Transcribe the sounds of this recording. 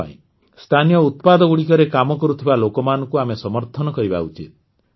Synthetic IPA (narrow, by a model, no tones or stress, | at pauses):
a̰ḭ̃ | st̪ʰanijɔut̪̚pad̪ɔɡuɽikɔɾekamɔkɔɾut̪ʰibalokɔmanɔŋkuamesɔmɔɾt̪ʰɔnɔkɔɾiba̰ut͡ʃḭt̪̚